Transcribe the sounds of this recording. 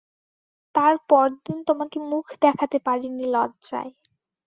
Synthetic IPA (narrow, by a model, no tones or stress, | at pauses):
t̪aɾpɔɾd̪int̪omakemukʰd̪ɛkʰat̪epaɾinilɔɡd͡ʑa̰e